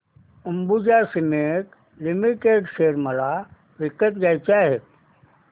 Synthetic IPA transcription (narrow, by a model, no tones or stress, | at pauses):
umbud͡ʒasinek | limiʈeɖseɾməla | ʋikət̪d͡ʒajt͡ʃaːɦe